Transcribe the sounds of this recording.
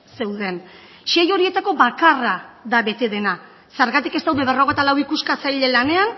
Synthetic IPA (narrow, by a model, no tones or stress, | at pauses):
se̞wðe̞n | ʃejo̞ɾie̞t̪ako̞βakaraðaβe̞t̪e̞ðe̞na | seɾɣat̪ikest̪awðeβero̞ɣ̞e̞t̪alawikuskat͡sajʎe̞lane̞an